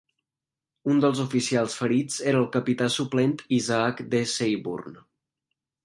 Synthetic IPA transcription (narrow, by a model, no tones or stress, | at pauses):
und̪əlˠzufisialˠsfəɾid͡zeɾəːlˠkəpit̪asuplent̪izaakd̪əsejβṵrn